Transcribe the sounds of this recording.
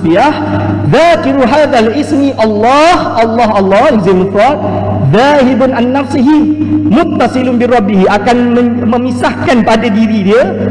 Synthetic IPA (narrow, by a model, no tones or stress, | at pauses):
biah | ðaːkɪɾuɦaːðalʔɪsmiʔɑlːɑːhʔɑlːɑɦɑlːɑjazamut̪ɔt̪̚ | ðaːɦɪbʊnʔanːafsɪɦimʊt̪ːɑsɨlʊnbiɾˤɑbːɪɦiʔakanmməmisahkanpadadiɾidiə